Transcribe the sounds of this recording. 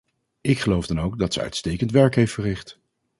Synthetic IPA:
ɪkχəlowvdɑnowɡ̚dɑtsə̰œ̰ɥtstejkəntʋɛɹkɦejftfərɪχt

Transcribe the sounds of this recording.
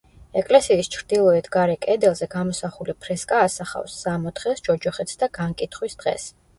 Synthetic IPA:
ɛkʼlɛsiːst͡ʃʰɾd̪ilˠɔɛt̪ʰɡaɾɛkʼɛd̪ɛlˠzɛɡamɔsaχulipʰɾɛskʼaːsaχa̰fsːamɔt̪χɛsd͡ʒɔd͡ʒɔχɛt̪sd̪aɡ̥aŋkʼit̪ʰχwisd̪̥ʁɛ̰s

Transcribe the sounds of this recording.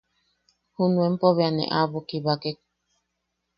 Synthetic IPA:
hunuempoβeanḛʔaβokiβakek̚

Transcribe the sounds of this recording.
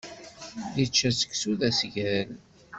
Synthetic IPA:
ðit͡ʃːæsə̥ksuðæsʝæɾl

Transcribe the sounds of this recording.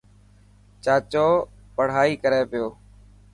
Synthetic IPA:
t͡ʃaːt͡ʃoː | pəɽ̤aːiːkəɾeːpɪjoː

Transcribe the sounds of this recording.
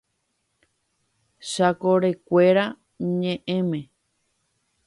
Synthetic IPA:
ʃakoɾe̞kʷe̞ɾa | ɲẽʔẽmẽ

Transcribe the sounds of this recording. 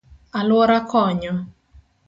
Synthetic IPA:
alwɔɾakɔɲɔ

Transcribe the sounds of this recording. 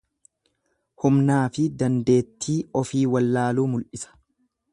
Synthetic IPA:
hʊmnaːfɪd̪ɐnd̪e̞ːt̪ːiːɔfiːwɐlːaːluːmʊlʔɪsɐ̥

